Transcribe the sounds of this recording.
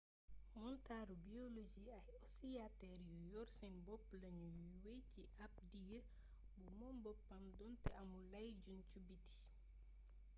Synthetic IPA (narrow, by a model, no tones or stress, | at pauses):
ɔntaːɾubiolod͡ʒiɐjɔsijatɛɾjujɔɾsɛnbɔpːlɐɲujuuwejciʔap̚dij | bumɔmbɔpːɐmdɔntɛɐmulɐjɟuncubiti̥